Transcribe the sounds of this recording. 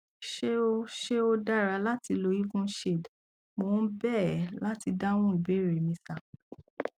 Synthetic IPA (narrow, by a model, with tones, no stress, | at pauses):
ʃe˦o˦ʃe˦o˧da˦˨ɾa˧la˦ti˧lo˧˦i˦fũ˦ʃe˦˨d | mõ˨˦bɛ˦˨la˦ti˧da˦w̃ũ˦i˨be˨˦˨ɾe˨mĩ˧˦sa˨